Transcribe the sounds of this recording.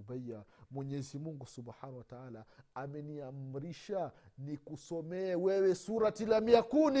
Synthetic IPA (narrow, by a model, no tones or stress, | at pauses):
baamwɛɲɛzimuŋɡusubħaːnawataaːlaamɛniam̩ɾiʃanikusɔmɛːwɛwɛsuɾatilamiakuni